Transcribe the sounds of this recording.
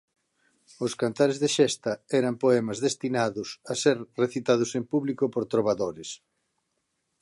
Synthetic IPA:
ʊskant̪aɾezðeʃɛst̪ɐɛɾɐmpoɛmɐzðest̪inaðʊsaseɾreθit̪að̞ʊsempuβlikopoɾt̪ɾoβ̞aðoɾes

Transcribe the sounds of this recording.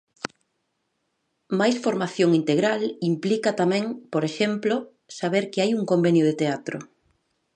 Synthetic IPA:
majsfoɾmaθjoŋint̪eɣɾalimplikat̪amɛ̃ŋpoɾeʃemplo | saβ̞eɾkɪajuŋkombenjʊðet̪eat̪ɾʊ̰

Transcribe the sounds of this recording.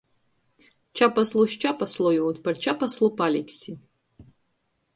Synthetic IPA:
t͡ʃʰapɐsloʃt͡ʃʰapɐslojowtpɐrt͡ʃʰapɐslopalʲikʲsi

